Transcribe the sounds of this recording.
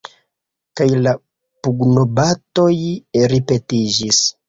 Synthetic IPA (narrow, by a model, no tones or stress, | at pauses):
kajla | puɡno̞bato̞jɾipe̞tid͡ʒis